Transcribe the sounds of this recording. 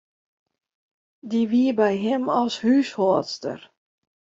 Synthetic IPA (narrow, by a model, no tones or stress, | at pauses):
diʋiəbɛjɦɪmɔlˠshyshɔːtstə̰r